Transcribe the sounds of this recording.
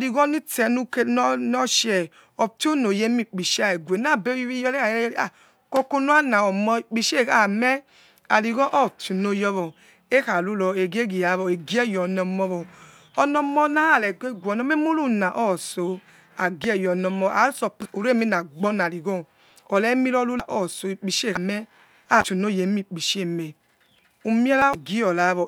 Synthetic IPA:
li˨ɡɔ˦ni˦tɛ˧nu˧ke˧nɔ˦nɔ˦ʃɛ˨ | ɔ˨to˦no˨je˦mi˦˨k͡pi˨ʃa˦˨e˨ɡʷe˨na˦˨be˦ji˦i˦jɔ˧˦le˦a˨˦a˨ | ko˧ko˧nu˦a˦na˨ɔ˨mɔ˧i˨k͡pi˨ʃe˦˨a˨mɛ˦ | a˨li˨ɡɔ̃˦ʔɔ˦˨tu˨no˧jɔ˧βɔ˨ | e˦ha˨lu˨˦lɔ˧e˨ɡe˦ɡi˨ja˨˦βɔ˨e˨ɡi˦ɛ˦˨jɔ˨nɔ˧mɔ˧βɔ˨ | ɔ˨nɔ˧mɔ˧na˦a˦˨lɛ˨ɡe˦ɡʷɔ˨nɔ˧me˦mo˦lu˦na˨ʔɔː˦˨so˨ | a˨ɡi˦ɛ˦˨jɔ˨nɔ˧mɔ˧˨ʔa˨˦sɔ˧˨pu˨ɾe˦mi˦na˨ɡ͡bɔ˦na˨li˨ɡɔ˦ | ɔ˨lɛ˨˦mi˦lɔ˦lu˦la˨ʔɔ˦˨so˨i˨k͡pi˨ʃe˦˨a˨mɛ˦ | a˦˨tu˨no˦˨je˨˦mi˦˨k͡pi˨ʃe˦˨me˨ | u˧mi˦ɛ˦la˦˨ɡi˦ɔ˨la˨˦βɔ˨

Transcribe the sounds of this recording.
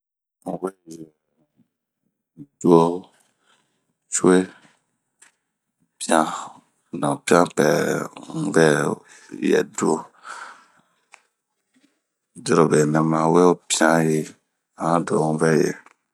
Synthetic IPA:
ũ˦vɛ˦˨jɛ˨ | du˦o˦ | t͡ʃu˦e˦ | pi˦ã˦ | nã˨pĩ˦ã˦pɛ˨ŋũ˦vɛ˦ | jɛ̰˨du˦o˦˨ | do˦ɾo˨be˨nɛ̃˨mã˨we˦o˦pi˦ã˦ji˨ | a˨ã˦do˨ũ˦vɛ˦jɛ̰˨

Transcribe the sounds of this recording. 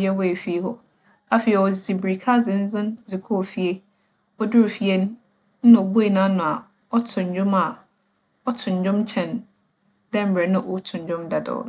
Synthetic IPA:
ɛ˦wɔ˦e˨fi˦hɔ˦ | a˦fi˨ɛ˨ɔ˨si˨bɾi˨kʰa˦zɪ̃˨n̩˦zɪ̃˦nzi˨kʰo˦˨fi˨e˦ | ɔ˦dɪ˦o˨fi˨e˦nʊ̃˦˨ | ɔ˨bu˦e˨nã˦nʊ̃˨a˨ | ɔ˦tʰʊ̃˨ɲ˨˦d͡ʑᶣʊ̃˦ma˨ | ɔ˦tʰʊ̃˨ɲ˨d͡ʑᶣʊ̃˦mt͡ɕʰɛ̃˨n | d̥ɛ̃˦m̩˨bɾɛ˨nʊ̃˦ʔo˨˦tʰʊ̃˨ɲ˨d͡ʑᶣʊ̃˦mda˨dɔ̰˨

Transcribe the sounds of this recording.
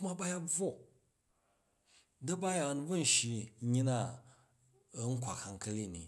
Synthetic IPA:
ma˦ba˦ja˦b͡vo˦˨ | dɐ˦ba˦ja˨n˦bɐ˦n̩˨ʃi˨˦ɲi˦na˦˨˦ | ŋ̩˦kʷa̰˨ka˨ŋkɐ˦le˦˨nḭ˨

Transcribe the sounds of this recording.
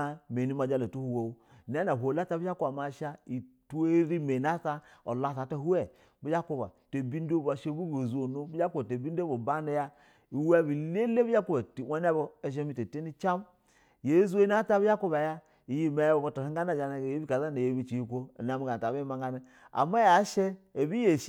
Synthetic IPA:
me˨ni˦ma˨d͡ʒa˦˨le˨tu˦hu˨wo˨wu˦˨ne˦na˨ɦʷo˨la˦ta˦bi˦ja˦ku˦ba˨ma˨˦ʃa˦i˨tu˦e˦ɾi˦me˨na˦ta˦o˨la˦˨sa˨ta˦hu˦ɛ˦ | bi˦d͡ʒa˦ku˦ba̰˨te˨bi˦n˦do˦ba˨ʃe˦bu˦bo˨zu˨˦o˨no˦bi˦ja˦ku˦ba˨te˨bi˦n˦o˦bo˨ba˦ne˦ja˦ | i˨we˦˨bi˨le˦le˦bi˦a˦ku˦ba˨ti˨we˦ne˦bo˦e˦˨ʃ̬e˦mi˦te˨te˦ni˦t͡ʃa˦m˨ | je˨˦zu˦e˦na˦ta˦bi˦ja˦ku˦ba˨ja˦ | i˨ji˦me˨jbo˨bo˦to˨hi˦ŋ˦ɡa˦na˦˨d͡ʒa˨na˨je˦bi˦ka˨za˦ne˨je˨˦˨bi˦t͡ʃi˨ji˨kʷo˦˨na˨m˨ɡa˨ta˨bi˦ma˨ŋ˦ɡa˦ne˦ | a̰˨ma˦ja˨˦ʃe˦e˨bi˦je˨ʃ

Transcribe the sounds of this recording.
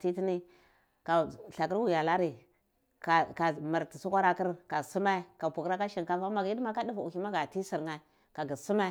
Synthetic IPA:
ti˦ti˦ni˦ | ka˨ɬa˨k̬i˦ɾwu˨ja˨la˦ɾi˨ | ka˨ka˨ma˨ɾti˨su˦kʷa˦ɾa˦ki˦ɾka˨su˦ma˦ka˨pu˨kɾa˦ka˦ʃi˦˨nka˨fa˦ma˨ɡi˦dma˦ka˦di˦vu˨ki˦ma˦ɡa˨ti˦si˨ɾŋa˦ | ka˨ɡi˨su˦ma˦

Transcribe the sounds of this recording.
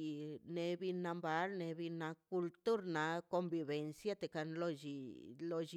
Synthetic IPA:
ne˧bi˧na˧mba˧˦ɾne˧bi˧na˧ku˧lt̪u˦ɾna˨˧ko˧mbi˧βe˨˧nsja˦˧t̪e˨ka˧nlo˧d͡ʒi˧lo˧d͡ʒ

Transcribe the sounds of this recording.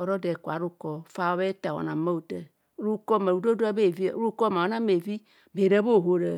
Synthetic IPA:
ɔ˨ɾɔ˦de˨ku˨a˨ɾu˦kɔ˨fa˦wβe˦ta˨wɔ̰˨nã˨ma˦u˨te˨˦ | ɾu˦kɔ˦˨me˨ɾu˨˦do˦do˦a˦be˦˨vi˦˨˦ɾu˦kɔ˦m˨a˨o˨˦na˦me˨vi˦ | be˨ɾe˦bo˦˨ɦo˨ɾḛ˨

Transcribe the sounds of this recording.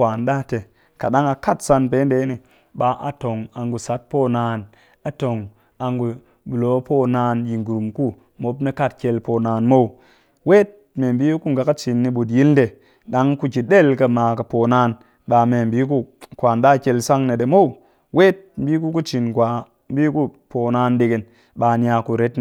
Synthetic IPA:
a˨nɗa˦te˨ | ka˨ɗa˦ŋa˧ka˦tsa˧npe˨˦n˦de˨˦ni˨ | ɓa˨ʔa̰˨to˨ŋa˨ŋɡu˨sa˨˦t̚po˦naː˧n | a˨to˨ŋ | a˧ŋɡu˨ | bu˨lo˨˦po˦˨naː˧˦nji˨ŋɡu˨ɾu˨mku˦ | mo˨˦pne˦ka˦˨t̚kʲe˧lpoː˨naː˨˧nmo˦˨w | we˦t̚ | me˨m˨bi˦ku˦ŋɡa˨ka˦t͡ʃi˨nːi˨ɓu˨t̬ji˦lde˨ | ɗa˨˦ŋku˦ki˨ɗe˦˨lkɐ˧maː˨kɐ˨po˨naː˧˦n | ɓa˨me˨m˨bi˦k̬u˦kʷa˨nɗa˦˨kʲe˧lsa˦ŋne˨ɗe˨mo˦w | we˦t̚m̩˦biː˦ku˦ku˦t͡ʃi˨nkʷa˨ | m˦bi˦ku˦ | po˨naː˧˦nde˧˨ɡe˨n | ɓa˨nja˧˨ku˨ɾe˨˦tn˨

